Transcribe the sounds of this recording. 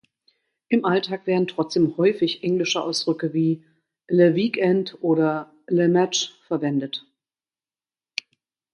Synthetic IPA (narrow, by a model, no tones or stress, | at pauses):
ʔɪmʔaltʰaːkv̥eːɐdn̩tʁ̥ɔt͡sd̥eːmhɔʏfɪçʔɛŋlɪʃəʔa̰ʊsd̥ʁʏkəviː | lɛviːkɛntʔoːɾɐ | lɛmɛt͡ʃfɛɐvɛndət